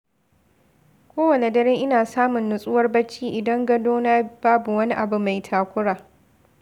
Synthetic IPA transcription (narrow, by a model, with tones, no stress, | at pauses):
kʷoː˦wɐ˨ne˨dɐ˦ɾeː˦ŋʔɪ˦naː˨saː˦mʊ˨nːʊ˨sʼʊ˦wɐ˦rbɐ˦t͡ʃːiː˦ʔɪ˨dɐ˦ŋɡɐ˦doː˦naː˦b̥aː˦bu˨wɐ˦ni˦ʔa˨bu˦ma˨jtʰaː˨kʷʊ˦ɽaː˨